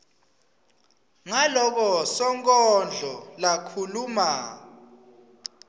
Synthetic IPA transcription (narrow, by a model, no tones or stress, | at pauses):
ŋalɔk̬ɔsɔŋkʼɔnd͡ɮʱɔlakʰuluma